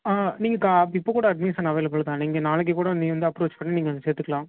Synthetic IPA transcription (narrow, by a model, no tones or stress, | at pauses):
aniːŋɡɐkaːɪpːoːkuːɽɐɐɖmiːsɐnɐʋɐɪlɐpːɐɭɯt̪ãːniːŋɡɐnaːlɯk̬ːɯkuːɽɐʋɐniŋːɡɐʋɐnd̪ɯɐpːɾoːt͡ʃpɐɳːiniːŋɡɐseːɾt̪ːɯkːɐɭãː